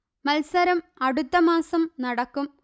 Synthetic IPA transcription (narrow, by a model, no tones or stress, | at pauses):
mɐlsɐɾɐmɐɽut̪ːɐmaːsɐmnɐɽɐkːum